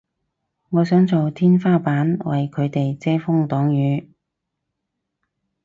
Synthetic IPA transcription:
ŋɔː˨˧sœː˨˥ŋt͡so˨wt̪ʰiː˥nfaː˥paː˨˥nwɐ˨jkʰɵ˨˧ɥt̪e˨jt͡sɛː˥fʊ˥ŋt̪ɔː˨˥ŋjyː˨˧

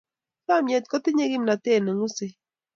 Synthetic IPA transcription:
sa˦˨mjɛ˨t̪̚kɔ˦t̪ɪ˦ɲe˦ɡɪ˦mna˨t̪e˦˨ne˨ŋʊ˦se˦

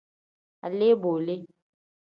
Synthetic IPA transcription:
a̰˨le˦boː˨le˦

